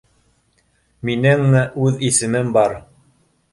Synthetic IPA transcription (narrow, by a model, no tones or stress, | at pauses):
minɘŋmɘʔʉðisɘ̆mɘmbɑɾ